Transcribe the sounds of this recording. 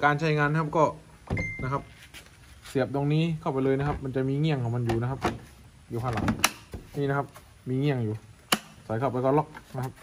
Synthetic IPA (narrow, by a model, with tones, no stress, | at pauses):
kaː˧nt͡ɕʰa˦˥˩jŋaː˧n˥kʰa˦˥p̚kɔː˥˩ | na˦˥kʰa˦˥p̚ | si˨˩˦əp̚d̪o˧ŋniː˦˥kʰa˥˩pa˧jlɤː˧jna˥kʰa˦˥p̚ma˧nt͡ɕa˨˩miː˧ŋi˥˩əŋkʰɔ˩˦ŋma˧njuː˨˩na˦˥kʰa˦˥p̚ | juː˨˩pʰaː˧˩la˩˦ŋniː˧˩na˦˥kʰa˦˥p̚ | miː˧ŋi˥˩əŋjuː˨˩ | sa˨˩˦jkʰa˥˩wpa˧jkɔː˥˩lɔ˥˩k̚na˦˥kʰa˦˥p̚